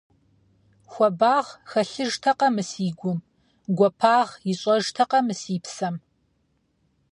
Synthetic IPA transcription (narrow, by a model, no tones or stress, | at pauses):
xʷɔbaːʁxɐɬɨʒtʰɐqɐmɨsiːɡʷʊm | ɡʷɔpʰaːʁjɪɕʼɐʒtʰɐqɐmɨsiːpsɐm